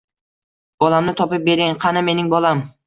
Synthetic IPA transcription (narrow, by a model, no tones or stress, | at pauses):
b̥ɒlˠamnɪt̪ʰɒpɪp̚be̞ɾɡʲanqʰɑnɪme̞nɪŋbɒlˠam